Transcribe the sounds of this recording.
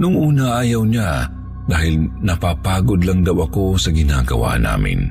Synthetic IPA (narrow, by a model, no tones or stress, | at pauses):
nʊŋʔuːnaʔaːjawɲa | d̪aːhɪlnɐpaːpaːɡod̪laŋd̪awɐkosɐɡɪnaːɡɐ̰wa̰ːna̰ːmɪ̰n